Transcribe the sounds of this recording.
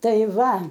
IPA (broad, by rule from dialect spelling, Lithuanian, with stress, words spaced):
ˈtɐɪ ˈʋɐ